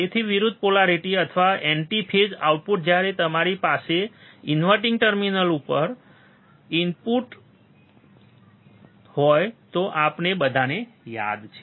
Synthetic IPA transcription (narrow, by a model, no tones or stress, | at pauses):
et̪ʰiʋiɾud̪ʱpolaɾiʈiət̪ʰəʋaeɳʈipʰed͡ʒa̰uʈ̚puʈ̚d͡ʒjaɾet̪əmaɾipaseinʋəʈĩŋɡʈəɾminəlupəɾ | impuʈ | hɔjt̪oʔapnebəd̪ʱaneja̰d̪t͡ʃʰe̥